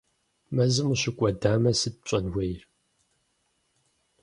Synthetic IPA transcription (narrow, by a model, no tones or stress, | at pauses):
mɐzɨmuɕɪkʷʼɔdaːmɐsɨd̚ɕʷʼɐnwʷɐjr